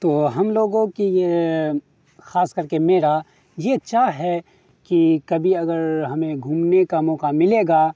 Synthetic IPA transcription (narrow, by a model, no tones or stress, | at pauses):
t̪oːɦɐmloːɡõkije | xaːskɐɾkemeːɾa | jet͡ʃaːɦɛ | kikɐbʱiɐɡəɾɦɐmẽɡʱuːmnekamɔːqamɪleːɡaː